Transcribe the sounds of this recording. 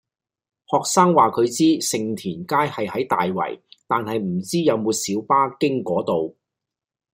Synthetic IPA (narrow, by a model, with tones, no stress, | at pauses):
hɔː˨k̚saː˥ŋwaː˨kʰɵ˨˧ɥt͡siː˥sɪ˨ŋt̪ʰiː˨˩nkaː˥jhɐ˨jhɐ˨˥jt̪a̰ː˨jwɐ̰˨˩jt̪aː˨nhɐ˨jm̩˨˩t͡siː˥jɐ˨˧wmuː˨˧t̚siː˨˥wpaː˥kɪ˥ŋkɔː˨˥t̪o˨w